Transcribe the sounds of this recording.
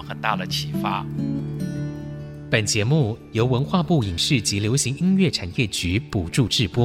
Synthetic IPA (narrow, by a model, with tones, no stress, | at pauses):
ŋxə˨˩nt̪a̰˥˩d̪ə˩t͡ɕʰi˧˩fa˥ | pə˨˩nt͡ɕjɛ˧˥mu˥˩jo˧˥ʊwə˧˥nxwa˥˧pu˥˩i˨˩ŋʂɻ̩˥˩t͡ɕi˧˥ljo˧˥ʊɕi˧˥ŋi˥nɥɛ˥˩ʈ͡ʂʰa˨˩njɛ˥˩t͡ɕy˧˥pu˨˩ʈ͡ʂu˥˧ʈ͡ʂɻ̩˥˩pwɔ˥